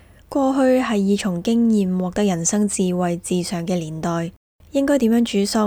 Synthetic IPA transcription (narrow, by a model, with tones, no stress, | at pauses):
kwɔː˧ɦɵ˧ɥɦɐ˨jːiː˨˧t͡ʃʰʊ˨˩ŋkɪ˥ŋjiː˨mwɔː˨k̚t̪ɐ˥k̚jɐ˨˩nsɐ˥ŋt͡siː˨wɐ˨jt͡siː˨sœː˨˩ŋkɛː˧liː˨˩nt̪ɔː˨j | jɪ˥ŋkɔː˥jt̪i˨˥mjœː˨˥ŋt͡ʃyː˨˥sʊ˥˧